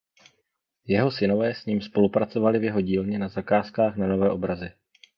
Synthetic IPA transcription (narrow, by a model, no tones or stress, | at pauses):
jɛɦo̞sɪno̞vɛːsɲiːmspo̞lupɾat͡so̞valɪvjɛɦo̞ɟiːlɲɛnazakaːskaːxnano̞vɛːʔobɾazɪ